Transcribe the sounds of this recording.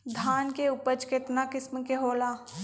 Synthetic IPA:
d̪ʱaːnkeʊpət͡ʃket̪nakɪsmkeɦoːlaː

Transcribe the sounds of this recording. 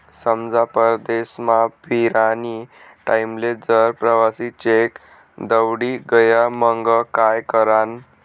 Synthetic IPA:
səmd͡zapəɾd̪esmapiɾani | ʈaimled͡zəɾpɾəʋasit͡ɕek | d̪əwɽiɡəjaməŋɡəkajkəɾan

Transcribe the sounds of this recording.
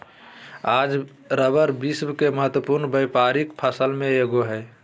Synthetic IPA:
ad͡ʒ | ɾəbəɾbisbkeməɦət̪wəpuɾnbəjpaɾikpʰəsəlmẽeɡoɦɛ

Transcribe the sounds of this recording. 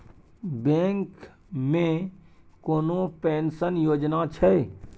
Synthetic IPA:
bẽːŋk | mẽ | koːnopeːnsənjoːd͡ʒnat͡ʃʰɛ

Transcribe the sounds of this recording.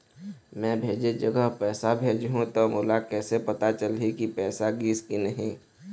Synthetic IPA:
mɛ̃bʱeːd͡ʒed͡ʒəɡəɦpɛːsabʱeːd͡ʒɦũt̪omʊlakɛːsepɐt̪at͡ʃəlɦikipɛːsaɡiːskinɐɦĩː

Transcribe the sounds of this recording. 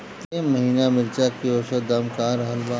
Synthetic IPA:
t̪emmɐɦiːnamɪɾt͡ʃakioːʃəd̪amkaːɾɐɦəlbaː

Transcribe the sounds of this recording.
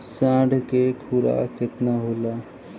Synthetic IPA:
sãːɖʱkekʰuɾa̰kɪt̪naɦoːlaː

